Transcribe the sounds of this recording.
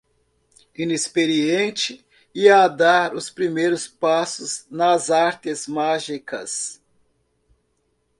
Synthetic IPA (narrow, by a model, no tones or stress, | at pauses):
ĩnespeɾiẽnt͡ʃɪ | iad̪aɾʊspɾimejɾʊspasʊznɐzaɾt̪ɪzmaʒikɐ̰s